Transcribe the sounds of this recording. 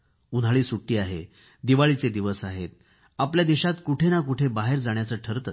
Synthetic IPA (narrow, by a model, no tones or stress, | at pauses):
ud̪ʱaɭiːsuʈːiːaɦḛ | d̪iʋaɭit͡sed̪iʋəsaɦet̪̚ | apljad̪iɕat̪kuʈʰenakuʈʰebaɦeɾd͡zaɳ̃jat͡səːʈʰəɾt̪ə